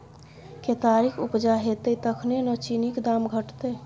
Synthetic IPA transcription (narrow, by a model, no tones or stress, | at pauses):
ket̪aɾikʰupd͡ʒaɦet̪et̪əkʰnenət͡ʃinikd̪amɡʱəʈt̪e